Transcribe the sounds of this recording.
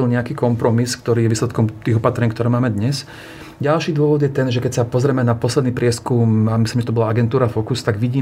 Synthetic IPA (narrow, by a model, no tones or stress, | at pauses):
ilɲɛakiːkɔmpɾɔmiskt̪ɔɾiːjɛʋiːslɛt̪kɔmt̪iːɣɔpat̪ɾɛɲkt̪ɔɾɛːmaːmɛd̪ɲɛs | ɟalʃiːd̪ʊɔʋɔd̪jɛt̪ɛnʒɛkɛcsapɔzɾɛmɛnapɔslɛd̪niːpɾɪɛskumamisliːmʒɛt̪ɔbɔlaaɡɛnt̪uːɾafɔkust̪aɡʋiɟiː